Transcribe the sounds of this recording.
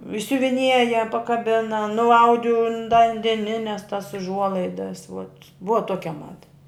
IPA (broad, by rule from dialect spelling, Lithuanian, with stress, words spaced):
ɪʃʲsʲʊʋʲɪˈnʲiɛjɛ pɐkɐˈbʲɪnɐ nʊˈɐʊdʲɪ ʊn dɐ ɐn dʲɛˈnʲɪnʲɛs tɐs ʊʒˈuɔlˠɐɪdɐs ʋoːt ˈbʊʋɐ ˈtoːkʲɛ ˈmɑːdɐ